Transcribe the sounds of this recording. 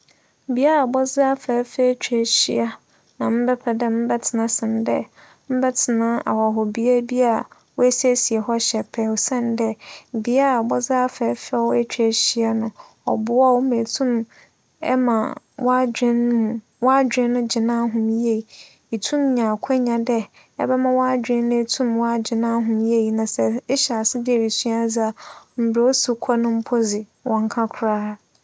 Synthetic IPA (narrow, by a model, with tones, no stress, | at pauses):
bi˦a˦a˨bɔ˦zɪ˦a˦fɛ˨˦fɛ˦t͡ɕᶣʰæ˦ɕḭ˦a˦ | nã˨m̩˦bɛ˦pʰɛ˨dɛ˦m̩˦bɛ˦tʰɪ˨nã˦sɪ̃˨n˨dɛ˦ | m̩˦bɛ˦tʰɪ˨nã˦a̰˨wɔ˨ɦɔ˨bi˦a˦bi˦a˦˨ | wɔ˦æ˦sæ˦si˨e˨ɦɔ˦ɕɛ˨pʰɛ˨wɔ˨sɛ̃˦˨ndɛ˦˨bi˦a˦a˨bɔ˦zɪ˦a˦fɛ˨˦fɛ˦wɔ˦æ˦t͡ɕᶣæ˨ɕi˦a˦nʊ̃˨ | ɔ̰˨bʊ˦a˦wmẽ˨tʰũ˦m | ɛ̰˦mã̰˨ | wʔɔ˦d͡ʑᶣɪ̃˦ñː˦ũ˨ | wa˦d͡ʑᶣɪ̃˦nː˦ʊ̃˦d͡ʑɪ˨nãː˦ɦʊ̃˨mje˦˨ | i˨tʰũ˦mɲã˨kʷʰɛ˦ɲã˨dɛ˦ | ɛ̰˦bɛ˦mã˦wa˦d͡ʑᶣɪ̃˦n˦nʊ̃˦e˦tʰũ˦mwa˦d͡ʑɪ˨nãː˦ɦʊ̃˨mje˦˨i˨nã˨sɛ˨˦ɕa˨sɪ˦bi˦ɛ˨wi˨sũ˦ã˦d͡za˦m̩˨bɾe˨˦o˦su˦kʷʰɔ˦nʊ̃˦m̩˦pʰo˦zɪ˨ | wɔ̃˨ŋ˦kʰã˦kʰʊ˨ɾaː˦˨